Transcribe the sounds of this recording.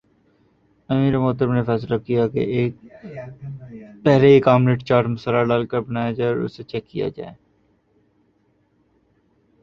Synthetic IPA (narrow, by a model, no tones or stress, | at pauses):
əmiːɾemoːt̪əɾəbnefɛːslakijakḛːk | pɛɦleeːkaːmneʈt͡ʃaːɾʈmʊsəlaɖaːlkəɾbənaːjad͡ʒaːɾʊ̰set͡ʃɛːkːija̰d͡ʒa̰ːeː